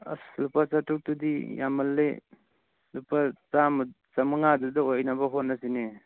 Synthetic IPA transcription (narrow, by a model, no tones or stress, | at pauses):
a̰slupat͡ʃatuk̚tudija̰mɐlːe | slupat͡sam | t͡ʃamɯŋadudɐojnabɐɦonːasine